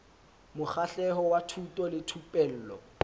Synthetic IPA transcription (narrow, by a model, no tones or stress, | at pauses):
mʊk͡xaɬɛɦɔwatʰutʼɔlɪtʰupʼɛl̩ːlɔ̰